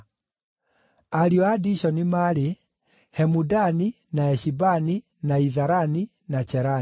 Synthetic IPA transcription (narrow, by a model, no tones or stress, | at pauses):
aɾjɔadiʃɔnimaːɾe | hɛmudani | naɛɕibani | naiðaɾani | nat͡ʃɛɾa